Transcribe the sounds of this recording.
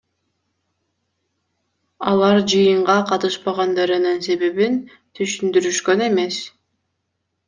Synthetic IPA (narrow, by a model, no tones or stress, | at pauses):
ɑ̰lˠɑɾd͡ʒɯjɯɴʁɑqʰɑt̪ɯʃpɑʁɑnd̪ɑɾɯnɯnse̞βe̞βin | t̪ʰyʃynd̪yɾyʃkøne̞me̞s